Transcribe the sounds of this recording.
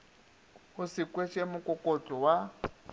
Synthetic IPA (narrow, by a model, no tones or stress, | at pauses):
ʊsikʼweʃʼemʊkʼɔkʼot͡ɬʼɔwa